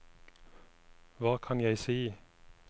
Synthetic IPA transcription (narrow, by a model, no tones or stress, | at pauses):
ʋɑːkʰɑnjæɪsiː